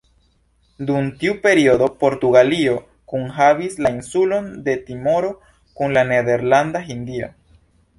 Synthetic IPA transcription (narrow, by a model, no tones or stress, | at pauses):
d̪untiupe̞ɾiodo̞po̞ɾt̪uɡalio̞ | kuŋɦavislainsulo̞nd̪e̞t̪imo̞ɾo̞ | kuŋlane̞de̞ɾland̪aɦind̪ia̰